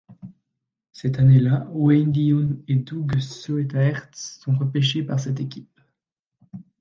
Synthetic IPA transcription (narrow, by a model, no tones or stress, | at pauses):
sɛt̪anelawɛnd̪iɔned̪uɡsoet̪aɛʁt̪sːɔ̃ʁəpeʃepaʁsɛt̪ekʲip